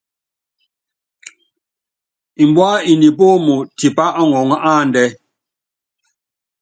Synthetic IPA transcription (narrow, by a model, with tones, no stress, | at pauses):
i˨m˨bwa˦i˨ni˨p̬o˦mu˨ti˨pa˦ʔa˦ŋɔ˨ŋ˦a˦˨n˨dɛ˦